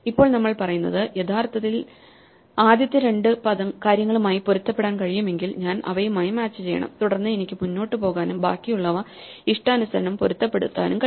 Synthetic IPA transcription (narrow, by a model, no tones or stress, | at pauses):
ipːo̞ːɭnɐmːɐɭpɐrɐjunːɐðɨjet̪ʰaːrt̪ːɐt̪ːil | aːd̪jɐt̪ːjɐɾe̞ɳɖɨpɐðɐmkaːɾjɐŋːɐɭumaːjipoɾut̪ːɐpːe̞ɽaːnkɐɻijume̞ŋɡilɲaːnʔɐ̰ʋɐjumaːjimaːt͡ɕːɨt͡ɕe̞jːɐ̰ɳɐ̰mt̪uɽɐrnːɨenikʲːɨmunːo̞ːʈːɨpo̞ːɣaːnumba̰ːkːijuɭːɐʋɐ | iʂʈɐːnusɐɾɐɳɐmpoɾut̪ːɐpːeɽṵt̪ːa̰ːnumkɐ